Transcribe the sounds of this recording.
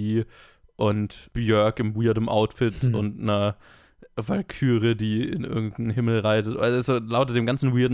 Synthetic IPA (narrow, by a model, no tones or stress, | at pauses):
iː | ʔʊntb̥jœɐkɪmwiːɐdəmʔa̰ʊtfɪtʊntnɐ | valkʰyːʁədiːɪ̰nʔɪ̰ɐɡŋ̩tn̩ɦɪml̩ʁaɪtətʔszoːlaʊtd̥eːmɡant͡sn̩wiːɐdn̩